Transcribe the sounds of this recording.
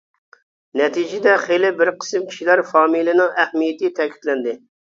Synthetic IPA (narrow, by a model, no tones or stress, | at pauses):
nɛt̪ʰid͡ʒɪd̪ɛχelɪbɪɾqʰə̥sɨmkʲʰi̥ʃilæɾfɑːmilɪnɪŋæhmijɪt̪ɪt̪ʰɛkʲʰi̥t̪lɛnd̪ɪ